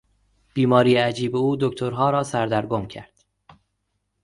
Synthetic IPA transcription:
b̥iːmɒːɾiːjeæd͡ʒiːbeuːd̪oct̪ʰoɾɦɒːɾɒːsæɾd̪æɾɡomcʰæ̰ɾd̪̥

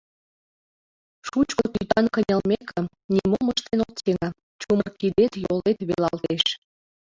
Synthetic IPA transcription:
ʃut͡ɕkook̪yt̪ɑnkənʲəlmekə̆m | nimoməʃt̪enok̚t͡seŋə | t͡ɕumərkid̪et̪jolet̪βelɑlt̪eʃ

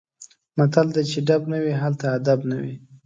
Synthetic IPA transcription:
mat̪ald̪at͡ʃeɖabnawiɦalt̪aːd̪abnawḭ

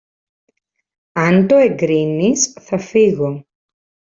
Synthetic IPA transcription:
ɐnt̪oeɡɾinisθɐfiɣo

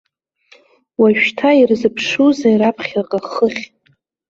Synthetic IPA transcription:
waʒᶣtʰairzɨpʰʂuzaiɾapʰχʲaqʼaχəχʲ

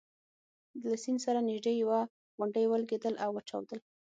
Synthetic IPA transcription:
lasinsaɾanɪʒd̪ejawa | ɣʊɳɖəjwəlɡed̪əlʔawːəʈ͡ʂa̰wd̪əl

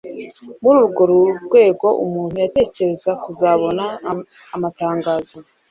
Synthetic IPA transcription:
muɾuːɾuɡo̞ɾuɾɡwe̞ːɡo̞ʔumuːn̥hujate̞ːce̞ɾe̞zakuzaβo̞naː | mataːŋɡaːzo

